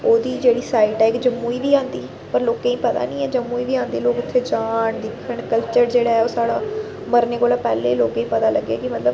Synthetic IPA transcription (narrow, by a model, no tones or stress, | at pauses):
oːd̪iːd͡ʒeːɽiːsaːiʈɛːɪkd͡ʒəmːuːiːʋiːãːnd̪iː | pəɾloːkẽːĩːpət̪a̰ːnĩːɛːd͡ʒəmːuːiːʋiːãːnd̪eːloːkʊt̪ʰːeːd͡ʒaːɳd̪ɪkʰːəɳkəlt͡ʃəɾd͡ʒeːɽaːɛːoːsaːɽaː | məɾneːkoːlaːpɛːleːloːkẽːĩːpət̪aːləɡːeːkɪmət̪ləb